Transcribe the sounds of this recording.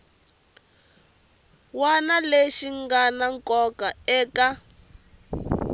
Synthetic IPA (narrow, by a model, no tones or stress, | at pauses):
wanaleʃiŋɡanaŋkɔkaɛːka